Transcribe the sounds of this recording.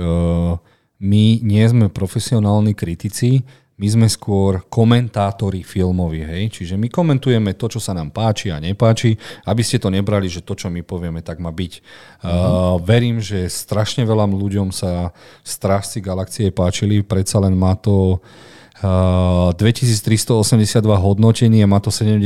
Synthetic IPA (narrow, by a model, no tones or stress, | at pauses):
miɲɪɛzmɛpɾɔfɛsiɔnaːlnikɾit̪it͡si | mizmɛskʊɔɾkɔmɛnt̪aːt̪ɔɾifilmɔʋiɦɛjt͡ʃiʒɛmikɔmɛnt̪ujɛmɛt̪ɔt͡ʃɔsanaːmpaːt͡ʃia̰ɲɛpaːt͡ʃiabiscɛt̪ɔɲɛbɾaliʒɛt̪ɔt͡ʃɔmipɔʋɪɛmɛt̪aɡmaːbic | ʋɛɾiːmʒɛst̪ɾaʃɲɛʋɛlamluɟɔmsast̪ɾaʃt͡siɡalakt͡siɛpaːt͡ʃilipɾɛt̪salɛnmaːt̪ɔ | d̪ʋɛcisiːt͡st̪ɾist̪ɔɔsɛmɟɛsɪad̪ʋaɦɔd̪nɔcɛniːamaːt̪ɔsɛɟɛm